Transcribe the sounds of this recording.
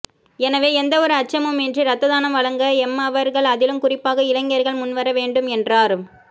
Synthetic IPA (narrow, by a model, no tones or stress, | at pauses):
ɛnɐʋeːɛnd̪ɐɔɾɯɐt͡ʃːɐmɯmɛndriɾɐt̪ːɐðaːnɐmʋɐɭɐŋɡɐɛmːɐʋɐɾɣɐɭɐðɪlɯmkʊrɪpːaːɣɐɪlɐŋːɪjɐɾɣɐɭmʊnʋɐɾɐʋeːɳɖɯmɛndraːɾɯm